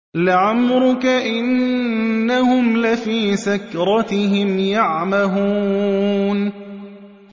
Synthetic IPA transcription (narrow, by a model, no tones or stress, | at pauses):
lɪʕamɾʊkaʔɪnː | ahʊmlafiːsakɾˤɑt̪ɪɦɪmjaʕmahuːn